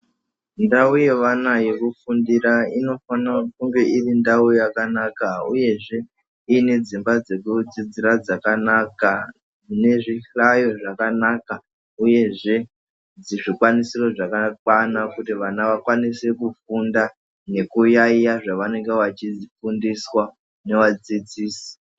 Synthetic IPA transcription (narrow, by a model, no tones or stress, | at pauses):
ndauje̞ʋanaje̞kufundiraino̞fanakuŋɡe̞ʔirindaujakanakauje̞ʐe̞ | ine̞d͡zimbad͡ze̞kud͡zid͡zirad͡zakanaka | ne̞ʐiɬajo̞ʐakanaːka | uje̞ʐe̞ | d͡ziʐikwanisiro̞ʐakakwanakutiʋanaʋakwanise̞kufunda | ne̞kujaijaʐaʋane̞ŋɡeʋat͡ʃid͡zfundiswa | ne̞ʋad͡zid͡ziːsi̥